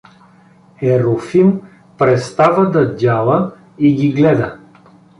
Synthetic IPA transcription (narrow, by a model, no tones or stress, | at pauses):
ɛɾofim | pɾɛt̪st̪avəd̪ɐdʲalˠə | iɡʲiɡlɛd̪ə